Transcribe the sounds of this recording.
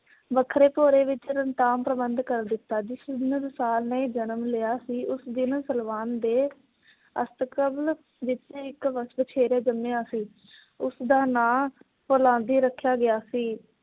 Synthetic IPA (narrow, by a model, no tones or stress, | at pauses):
ʋəkʰːɾeːpoːɾeːʋɪt͡ʃɾənt̪aːmpɾəbənd̪kəɾd̪ɪt̪ːaːd͡ʒɪsnɾɪsaːlneːd͡ʒənəmlɪjaːsiːʔʊsd̪ɪnsəlʋaːnd̪eː | ə̰st̪əkəbl | ʋɪt͡ʃɪkʋəʋət͡ʃʰeːɾeːd͡ʒəmeːaːsiː | ʊsd̪ãːnãː | poːlãːnd̪iːɾəkʰːjaːɡɪjaːsiː